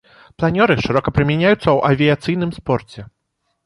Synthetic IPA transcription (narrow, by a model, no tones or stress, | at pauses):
plˠanʲɔɾɨʂɨɾɔkɐpɾɨmʲanʲajut̪sːɐwʔɐvʲijat̪sɨjnɨmspɔrt͡sʲɛ